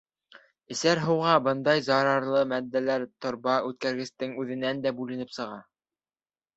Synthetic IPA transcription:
ɘ̆sæɾɦɤ̆wʁɑbɤnd̪ɑjzɑɾɑɾlˠɤmæd̪ːælæɾt̪ŏɾbɑʉt̪̚kæɾɡɘ̆st̪ɘŋʉðɘ̆nænd̪æbʉlɘ̆nɘpsɤ̆ʁɑ

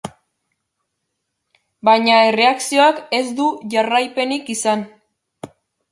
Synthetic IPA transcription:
bajɲaere̞aksio̞ake̞zd̪uʝarajpe̞nikisan

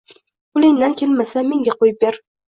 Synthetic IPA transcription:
ʊlɪŋd̪ankʲʰe̞lmasame̞ŋɡʲaqʰojɪp̚beɾ

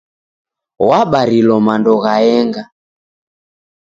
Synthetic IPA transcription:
waɓaɾilɔmandɔɣaɛŋɡa

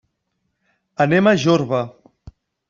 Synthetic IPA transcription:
ənemaʒoɾβə

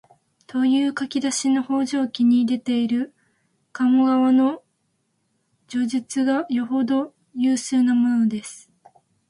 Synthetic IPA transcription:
t̪o̞jɯːkakʲid̪aɕino̞ho̞ːʑoːkʲiɲ̟id̪e̞t̪e̞iɾɯ̟ | kamoɡaβano̞ | d͡ʑo̞ʑit͡sɨɡajo̞ɦo̞d̪o̞ | jɯːɕɨːnamo̞nod̪e̞sɨ̥

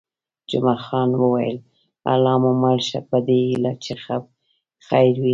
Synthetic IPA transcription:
d͡ʒʊmaxɑnwəwajə̰l | a̰lɑmʊmalʃapəd̪eilat͡ʃexab̚ | xajɾwi

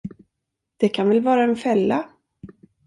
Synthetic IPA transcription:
d̪̥ɛkʰanvɛlvɑːɾaɛnfɛlːa

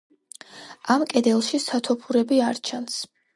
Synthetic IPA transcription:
ʔamkʼɛd̪ɛlˠʃisat̪ʰɔpʰuɾɛbiaɾt͡ʃʰans

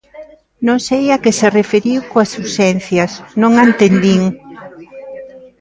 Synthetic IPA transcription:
nõŋsejakeserefeɾiwkoasusɛnθjɐsnõŋant̪end̪iŋ

